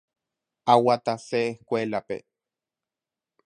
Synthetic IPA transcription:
awat̪asehkʷelapḛ

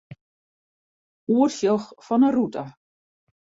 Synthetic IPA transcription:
uərsjəxfɔnərutʰa

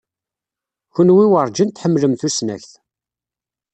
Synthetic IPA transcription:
çʊnwiwəɾˤd͡ʒənt̪ħəmːləmθusnæ̰çθ

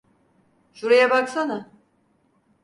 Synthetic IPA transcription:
ʃuɾajabaksana

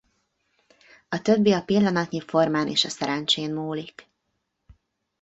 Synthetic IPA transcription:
ɒt̪ø̞bːiɒpilːɒnɒt̪ɲifo̞rmaːnʔḛːʃɒsɛɾɛnt͡ʃeːnmuːlik

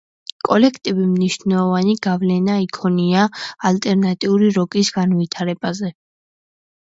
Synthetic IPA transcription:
kʼɔlɛkʰt̪ʼibimniʃnɛlˠɔvaniɡ̥avlɛnaikʰɔniaːlt̪ʼɛɾnat̪ʼiuɾiɾɔkʼisɡ̥anvit̪ʰaɾɛbazɛ

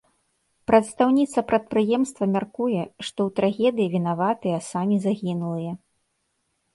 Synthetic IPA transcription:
pɾɐt̪st̪awnʲit̪sɐpɾɐt̪̚pɾɨjɛmst̪vɐmʲarkujɛʂt̪ɔwt̪ɾaɣʲɛd̪ɨjivʲinavat̪ɨjɐsamʲizaɣʲinulˠɨjɐ

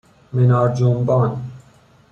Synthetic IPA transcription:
mɛnaːɾd͡ʒuːmbaːn

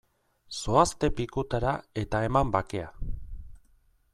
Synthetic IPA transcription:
so̞ast̪e̞pikut̪aɾae̞t̪ae̞mambake̞a

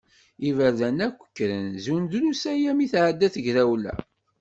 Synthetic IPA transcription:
ivəɾðænækʷːə̥kːɾənzund̪lusæjæmiθʕad̪ːæθəʝɾæwlæ̰

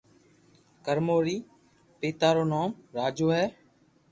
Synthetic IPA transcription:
kəɾmoːɾiː | peːt̪aːɾoːnaːmɾaːd͡ʒoːɦɛː

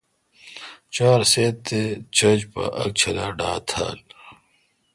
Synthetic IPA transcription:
t͡ɕaːɾseːt̪ːet͡ɕʰɐd͡ʑpɐ̰ʔɐk̚t͡ɕʰɐlaːɖaːt̪ʰa̰ːl

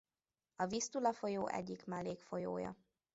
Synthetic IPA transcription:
ɒvist̪ulɒfo̞joːʔɛ̰ɟːikmɛlːeːkfo̞joːjɒ̰

